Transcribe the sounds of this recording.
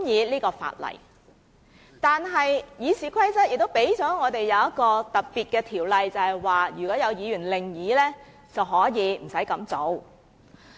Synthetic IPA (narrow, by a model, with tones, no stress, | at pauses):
jiː˨˧liː˥kɔː˧fa̰ː˨t̚lɐ̰˨˩j | t̪aː˨nɦɐ˨jjiː˨˧siː˨˧kʰɐ˥jt͡sɐ˥t̚jɪ˨k̚t̪o˥wpe˨˥jt͡sɔː˨˥ŋɔː˨˧t̪e˨jːɐ˨˧wjɐ˥t̚kɔː˧t̪ɐ˨t̚piː˨t̚kɛː˧t̪ʰiː˨˩wlɐ˨jt͡sɐ˨˧hɐ˨jwaː˨jyː˨˩kɔː˨˥jɐ˨˧wjiː˨˧jyː˨˩nlɪ˨ŋjiː˨˧˥lɛː˥ | t͡sɐ˨wɦɔː˨˥jiː˨˧m̩˨˩sɐ˨˥jkɐ˨˧˥mt͡so˨˧˥w